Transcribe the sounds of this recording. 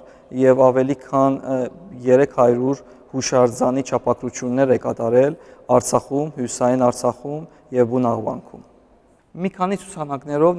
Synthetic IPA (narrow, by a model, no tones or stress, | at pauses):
jɛvɑvɛlikʰɑnjɛɾɛkʰhɑɾuɾ | huʃɑɾd͡zɑnit͡ʃʰɑpʰɑkɾut͡sʰjunːɛɾɛkɑt̪ɑɾɛlɑɾt͡sʰɑχumhjusɑjinɑɾt͡sʰɑχum | jɛvbunɑʁvɑ̰ŋkʰṵm | mikʰɑnit͡sʰu̥t͡sʰɑnɑknɛɾɔv